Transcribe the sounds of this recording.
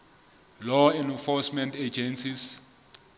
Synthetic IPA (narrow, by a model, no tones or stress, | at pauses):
lɔɛnfɔsmɛntʰed͡ʒɛnsis